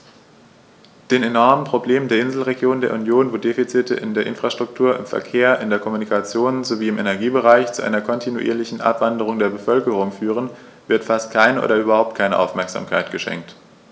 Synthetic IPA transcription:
d̥eːnenɔɐmənpʁ̥obleːməndeːɐɪnzl̩ʁeɡjoːndeːɐunjoːnvoːdeːfit͡sɪtə̰ʔɪ̰ndeːɐʔɪ̰nfʁ̥aʃtʁ̥ʊk̚tʰuːɐʔɪ̰mfɛ̰ɐkʰeːɐʔɪndeːɐkʰɔmunikʰat͡sjoːnzoviːɪmʔenɛɐɡiːbəʁaɪçt͡suʔa̰ɪnɐkʰɔntʰinuʔḭːɐlɪçn̩ʔa̰pv̥andəʁ̞ʊŋdeːɐbəfœlkəʁ̞ʊŋfyːʁ̞ən | vɪɐtfast̚kʰaɪnəʔo̰ːdɐʔyːbɐhaʊp̚t̚kʰaɪnəʔa̰ʊfmɛɐkz̥a̰ːmkʰaɪtɡ̥əʃɛ̰ŋk̚t

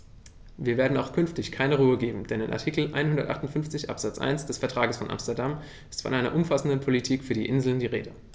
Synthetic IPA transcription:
viːɐveːɐdn̩aʊxkʰʏnftɪçkʰaɪnəʁ̞uːəɡeːbm̩d̥ɛnɪnʔa̰ɐtʰiːkl̩ʔa̰ɪnhʊndɐtʔaχtʊntfʏnft͡sɪçʔa̰pz̥at͡sʔa̰ɪnsd̥ɛsfɛɐtʁ̥aːɡəsfɔnʔa̰mstɛɐdam | ɪstfɔ̰nʔaɪnɐ̰ʔʊmfasn̩dənpʰolitʰiːkfyːɐdiːʔɪnzl̩ndiːʁḛːdə

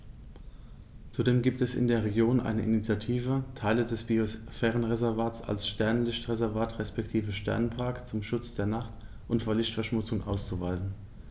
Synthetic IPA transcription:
t͡sudeːmɡiːp̚tɛsɪ̰ndeːɐʁeɡjoːnʔa̰ɪnəʔɪnit͡sjatʰiːvətʰaɪlədɛsb̥iofɛːʁ̞ənʁezɛɐvaːt͡sa̰lsʃtɛɐnlɪçtʁ̥ezɛɐvaːtʁɛspɛktʰiːvəʃtʰɛ̰ɐnpʰaɐkt͡sʊmʃʊt͡sd̥eːɐnaχt | ʔʊntfoːɐlɪçtfɛɐʃmʊt͡sʊŋʔa̰ʊst͡suvaɪzn̩

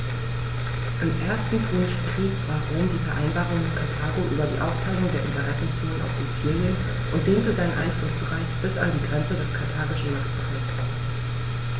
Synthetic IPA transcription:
ʔɪmʔeːɐstn̩kʁynʃbʁ̥iːkv̥aːɐʁoːmdiːfɛɐʔaɪnbaːʁʊŋɪnkʰatʰaːɡoʔyːbɐdḭːʔa̰ʊftʰaɪlʊŋdeːɐʔɪntəʁɛsn̩t͡suːlənʔa̰ʊfz̥ut͡siːljən | ʔʊntd̥eːntəzaɪnənʔa̰ɪnflʊsbəʁaɪçb̥ɪsa̰ndiːɡʁɛnt͡sədɛskʰatʰaːɡɪʃn̩naχtb̥əʁasas

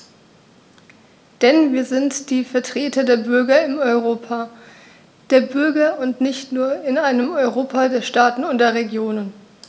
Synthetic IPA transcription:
d̥ɛnviːɐzɪntd̥iːfɛɐtʁ̥eːtʰɐdeːɐbʏɐɡɐɪmɔʏʁoːpʰa | d̥eːɐbʏɐɡɐʊntnɪçtnuːɐɪnaɪnəmɔʏʁoːpʰadeːɐʃtaːtn̩ʊntdeːɐʁeɡjoːnən

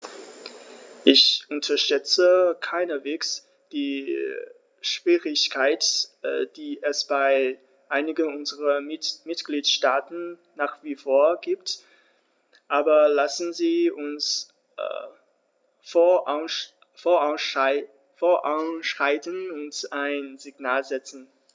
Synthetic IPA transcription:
ʔɪçʔʊntʰɐʃtɛt͡səkʰaɪnəveːks | d̥iː | ʃv̥iːʁɪçkʰaɪtːd̥iːʔɛsb̥aɪ | ʔaɪnɪɡənʊnzəʁɐmɪtɡ̥liːtʃtaːtn̩ː | aːχv̥iːfoːɐɡiːpt | ʔaːbɐlasn̩ziːʊns | ʊ | foaʊs | foɐʔa̰ʊnʃʁ̥aɪtənʊntaɪnzɪɡnaːlzɛt͡sn̩

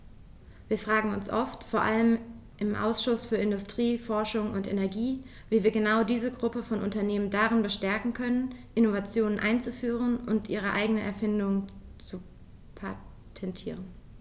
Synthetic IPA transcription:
viːɐfʁ̥aːɡŋ̩ʊnsʔɔftfoːɐʔaləm | ʔɪmʔa̰ʊsʃʊsfyːɐɪndʊstʁ̥iːfɔɐʃʊŋʊntḛnɛɐɡiː | viːviːɐɡənaʊdiːzəɡʁʊpəfɔnʔʊntɐneːməndaʁɪnbəʃtɛɐkŋ̩kʰœnənʔɪnovat͡sjoːnənʔa̰ɪnt͡sufyːʁ̞ənʔʊntʔiːʁ̞əʔa̰ɪɡənəʔɛ̰ɐfɪndʊŋt͡su | pʰa | tʰɛntʰiːʁ̞ən

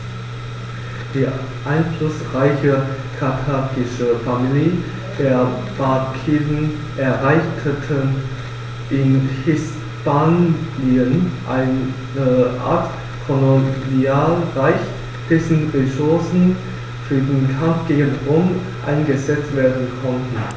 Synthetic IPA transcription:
d̥iː | ʔaɪnflʊsʁaɪçə | kʰatʰaːɡɪʃəfamili | d̥eːɐ | b̥akʰiːvən | ʔɛɐʁaɪçtʰətʰən | ʔɪnhɪs | paːniənʔaɪn | əʔa̰ːɐt | fɔnodiaːlʁaɪç | tɪçn̩ʁesʊɐsn̩ | fyːɐdenkʰamfɡ̥eːɡənʁʊm | ʔa̰ɪnɡəzɛt͡stv̥eːɐdn̩kʰɔntn̩

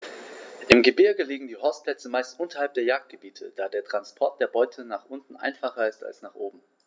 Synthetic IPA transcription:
ʔɪmɡəbɪɐɡəliːɡŋ̩diːɦɔɐst̚pʰl̥ɛt͡səmaɪstʔʊntɐhalp̚d̥eːɐjaːk̚t̚ɡ̥əbiːtʰə̰d̥aːdeːɐtʁ̥anspʰɔɐt̚d̥eːɐbɔʏtʰənaːχʔʊntn̩ʔa̰ɪnfaχɐɪsta̰lsnaːχʔoːbm̩

